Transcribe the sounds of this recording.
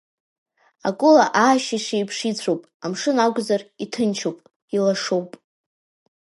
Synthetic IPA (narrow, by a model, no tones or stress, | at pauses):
akʷʼʊlaʔaːʃiʂʷejpʰʂit͡sʷʰowpʼamʂɨnaɡʷzaritʰɨnt͡ʃʰowpʼ | ilaʂowpʼ